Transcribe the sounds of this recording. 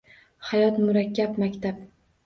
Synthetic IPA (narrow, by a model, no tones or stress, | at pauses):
hajɒt̪mʊɾakʲːapmakʲt̪ʰap̚